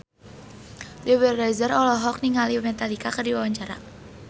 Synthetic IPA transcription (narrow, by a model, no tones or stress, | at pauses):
dɛwɛrɛzərɔlɔɦɔk̚niŋalimɛt̪alikakərdiwawaɲt͡ʃaɾa̰